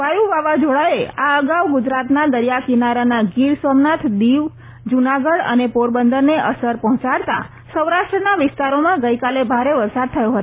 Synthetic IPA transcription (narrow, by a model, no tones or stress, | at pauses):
ʋajuʋaʋad͡ʒoɭaeaəɡawɡʊd͡ʒɾat̪nad̪əɾijakinaɾanaɡiɾsomnat̪ʰd̪iʋ | d͡ʒunaɡəɽə̰nepoɾbənd̪əɾneʔəsəɾpɔɦɔ̃t͡ʃaɽt̪a̰ | səwɾaʃʈɾənaʋɪst̪aɾomãɡəjkalebʱaɾeʋəɾsad̪̚t̪ʰəjoɦət̪o